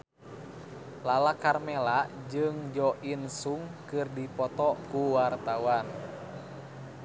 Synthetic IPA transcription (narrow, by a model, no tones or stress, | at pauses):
lalakarmɛlaʔd͡ʒɨŋd͡ʒɔʔinsuŋkɨrdipɔt̪ɔkuwart̪awan